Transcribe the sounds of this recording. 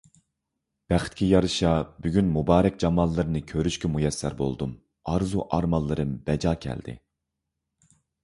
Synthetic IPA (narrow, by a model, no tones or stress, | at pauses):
b̥æχɪt̪̚kʲʰɛjɑɾɨʃɑbyɡʲynmubɑːɾɛk̚ʲd͡ʒɑmɑlˠːɨɾɨnɨkʲʰøɾyʃkʲɛmujɛsːæ̰ɾbo̰lˠd̪um | ɑɾzuʔɑɾmɑlˠːɨɾɨmb̥ɛd͡ʒɑːkʲʰɛ̰ld̪ɪ̰